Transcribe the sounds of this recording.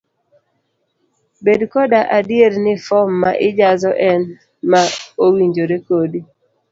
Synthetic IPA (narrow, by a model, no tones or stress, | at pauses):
bedkɔdaʔadjeɾnɪfɔmːaʔɪd͡ʒazɔʔɛn | maowiɲd͡ʒoɾekodi